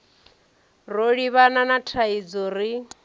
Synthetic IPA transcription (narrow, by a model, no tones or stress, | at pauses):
roɺiβananatʰaid͡zoɾi